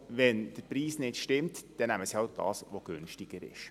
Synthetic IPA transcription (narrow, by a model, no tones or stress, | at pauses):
ʋɛnd̥əɾpɾiːsnɪtʃtɪmtd̥ɛnæməsiɑʊd̥ɑ̰ːsʋoɡ̥ʏnʃtɪɡ̥əɾɪ̰ʃ